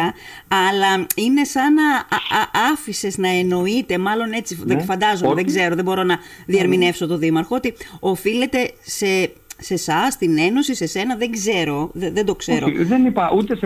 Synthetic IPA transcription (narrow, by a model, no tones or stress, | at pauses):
ɐɐlɐine̞sɐnɐ | ɐfise̞znɐe̞no̞it̪e̞mɐlo̞ne̞t͡sifefɐnd̪ɐzommeðeɡze̞ɾoðe̞bo̞ɾo̞nɐ | ðiɐɾmine̞fso̞t̪o̞ðimɐɾxo̞ot̪io̞file̞t̪e̞se | se̞sɐst̪ine̞no̞sise̞se̞nɐðe̞ɡze̞ɾo̞ððed̪o̞kseɾo̞ðeniɐut̪es